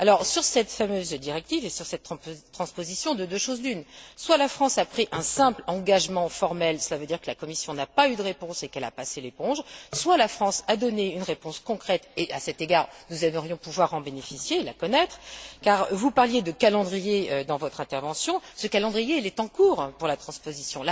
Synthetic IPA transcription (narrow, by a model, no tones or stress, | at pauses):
alɔʁsyʁsɛt̪famøzd̪iʁɛk̚t̪ivesyʁsɛt̪t̪ːχɑ̃spozisjɔ̃d̪əd̪øʃozd̪ynswalafχɑ̃sapχiʔɛ̃sɛ̃plɑ̃ɡaʒmɑ̃fɔʁmɛlsəlavød̪iʁkəlakɔmisjɔ̃napayd̪əʁepɔ̃sekɛla̰paselepɔ̃ʒswalafχɑ̃sad̪ɔneynʁepɔ̃skɔ̃kχɛt̪eʔasɛt̪eɡaʁnuzɛməʁjɔ̃puvwaʁɑ̃benefisjelakɔnɛt̪χkaʁvupaʁljed̪əkalɑ̃d̪ʁijeød̪ɑ̃vɔt̪χɛ̃t̪ɛʁvɑ̃sjɔ̃səkalɑ̃d̪ʁijelɛt̪ɑ̃kuːʁpuʁlat̪χɑ̃spozisjɔ̃la